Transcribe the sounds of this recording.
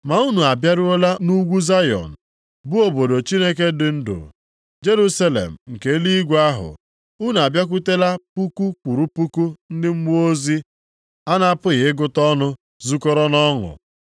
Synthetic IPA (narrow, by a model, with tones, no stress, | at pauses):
ma˨u˦nu˨a˨bja˦ɾʊ˦o˦la˦nu˦ɡʷu˦za˦jɔ̰˨n̩˨ | bʊ˦o˨bo˨do˨t͡ʃi˦ne˦ke˦dɪ˨n̩˦dʊ̰˨ | d͡ʒe˦ɾu˦sa˦lḛ˨m̩˨ŋ̩˨ke˨˦li˦i˦ɡʷa˦ɦʊ̰˨ | u˦nu˨a˨bja˦k̬u˦te˦la˦pu˦ku˦k͡pu˨ɾu˦pu˦ku˦n̩˦dɪ˦m̩˦m˦o˦zi˦ | a˦na˦a˦pʊ˦ɣɪ˨ɪ˦ɡʊ˦tɔ˦nʊ˦ | zu˦kɔ˦ɾɔ˦nɔ˦ŋʊ̰˨